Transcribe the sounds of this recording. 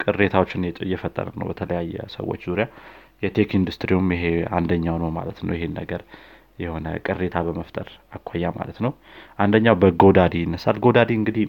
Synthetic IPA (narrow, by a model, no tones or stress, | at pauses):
kʼɨrːe̞t̪ʰawot͡ʃːɪnjɛt̪ʼɨ̰jːɛfət̪ʼːə̰ɾə̰nə̰wbət̪ʰələjajːɛ̰sə̰wo̞̰t͡ʃːzuɾija | jɛt̪ʰekind̪ust̪ʼɾiumjɪɦea̰nd̪əɲːawnəma̰lət̪nə̰wjɛhenːəɡəɾ | jɛho̞nə̰kʼɨrːe̞t̪ʰabəməft̪ʼəɾakʷʰːajːama̰lət̪nəw | ʔand̪əɲːawbəɡo̞d̪ad̪ijɪnːəsa̰lɡod̪ad̪iɨŋɡɨd̪i